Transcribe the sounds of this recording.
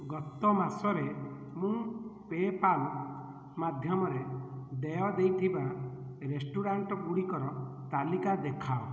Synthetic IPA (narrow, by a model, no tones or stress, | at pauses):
ɡɔt̪ɔmasɔɾe | mũpepal | mad̪ʱjɔmɔɾed̪ejɔd̪ejt̪ʰiba | ɾesʈuɾaɳʈɔpuɽikɔɾɔt̪alikad̪ekʰao